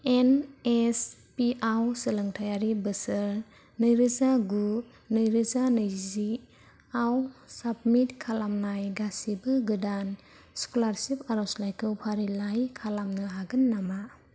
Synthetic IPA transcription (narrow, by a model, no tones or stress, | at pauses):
enespiʔawsɯlɯŋtʰajaɾibɯsɯɾ | nɯjɾɯzaɡu | nɯjɾɯzanɯjzi | awsab̚mitkʰalamnajɡasibɯɡɯdan | skɔlaɾsipaɾɔslajkʰɯwpʰaɾilajkʰalamnɯɦaɡɯnːama